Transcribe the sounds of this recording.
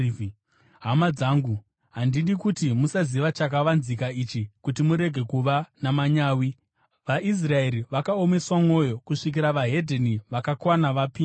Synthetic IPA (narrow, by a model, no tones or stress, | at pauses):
ɦamad͡zaːŋɡu | ɦandiɗikutimusaziʋat͡ʃakaʋanzikaiːt͡ʃikutimuɾe̞ɡʱe̞kuʋanamaɲaːwi | ʋaʔis̬rae̞ɾiʋakaome̞swamo̞jo̞kuʂik̬iɾaʋaɦe̞dʱeniʋakakwanaʋapiː